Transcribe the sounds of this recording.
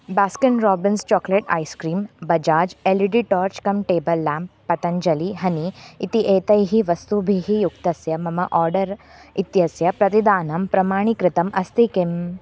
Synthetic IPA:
baːskɐnɾɔːbinst͡ʃɔːkleʈa̰ːjskɾiːmbɐd͡ʒaːd͡ʒeliɖiʈɔːɾt͡ʃkɐmʈeːbɐlːaːmpːɐt̪ɐɲd͡ʒɐliɦɐniːt̪iʔeːt̪ɐjɦiʋɐst̪ubʱiɦijuk̚t̪ɐsjɐmɐmɐʔɔːɾɖɐɾ | it̪jɐsjɐpɾɐt̪id̪aːnɐmpɾɐmaːɳikɾɪt̪ɐmʔɐst̪ikim

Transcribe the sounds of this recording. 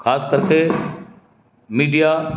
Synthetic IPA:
xʰaːskəɾkʰe | miːɖija

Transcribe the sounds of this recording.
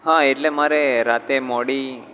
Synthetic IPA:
ɦãeʈlemaːɾeɾaːt̪emoːɽi

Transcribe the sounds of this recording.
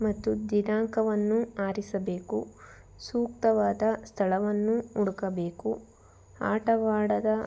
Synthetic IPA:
mɐt̪ːud̪inaːŋkɐʋɐnːuaːɾisɐbeːku | suːkt̪ɐʋaːd̪ɐst̪ʰɐɭɐʋɐnːuuɽukɐbe̞ːku | aːʈɐʋaːɽɐd̪ɐ

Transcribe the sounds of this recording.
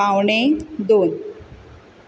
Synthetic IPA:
awɳed̪on

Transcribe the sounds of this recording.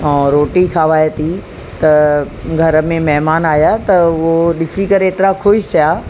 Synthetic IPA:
ɛ̃ːɾoːʈikʰaːʋaːjet̪ʰi | t̪ɐ | ɡʱɐɾə̆mẽmɐɦmaːnaːjat̪ɐʋoɗɪsikɐɾeːt̪ɪɾakʰoʃsɐjaː

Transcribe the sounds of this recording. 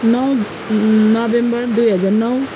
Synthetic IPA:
nʌw | nʌbembʌrd̪ujɦʌd͡zarnʌw

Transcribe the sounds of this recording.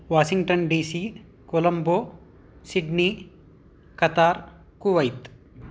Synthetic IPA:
ʋaːʃiŋɡʈɐnɖiːsiː | kolɐmboː | siɖniː | kɐt̪aːɾ | kuʋɐjt̪

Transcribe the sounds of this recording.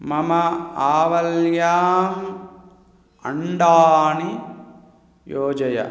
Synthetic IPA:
mɐmɐaːʋɐljaːm | ɐ̰ɳɖaːni | joːd͡ʒɐjɐ̰

